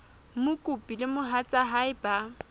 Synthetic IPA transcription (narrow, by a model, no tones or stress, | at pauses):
mʊkʼʊpʼilɪmʊɦat͡sʼaɦaɪba